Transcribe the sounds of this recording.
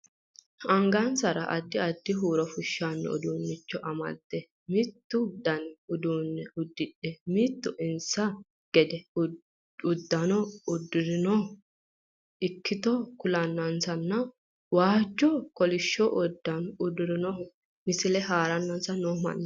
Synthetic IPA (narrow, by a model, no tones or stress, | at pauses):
ɐŋɡɐnsɐɾɐʔɐd̪ːɪɐd̪ːɪɦuːɾɔfʊʃːanːɛ̰ʊ̰d̪uːnːɪt͡ʃːɔʔɐmɐ̰d̪ːɛ | mɪt̪ːʊd̪ɐnʊd̪uːnːɛʊd̪ːɪᶑɛmɪt̪ːʊʔɪnsɐ | ɡ̥ɛd̪ɛ | ʊd̪ːɐnɔʊd̪ːʊɾɪnɔ | ɪkʰːɪt̪ɔkʊlɐnːɐnsɐnːɐ | waːt͡ʃːɔkɔlɪʃːɔʔɔd̪ːɐnʊd̪ʊɾɪnɔ | mɪsɪlɛɦaːɾɐnːɐnsɐnːoːmɐ̰nːɐ